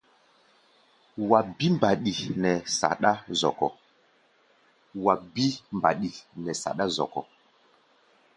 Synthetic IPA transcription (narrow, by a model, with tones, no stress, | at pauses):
wa˨bi˦mba˨ɗi˨nɛ˨sa̰˨ɗa˦zɔ̰˨kɔ̰˨ | wa˨bi˦mba̰˨ɗi˨nɛ˨sa̰˨ɗa˦zɔ̰˨kɔ˨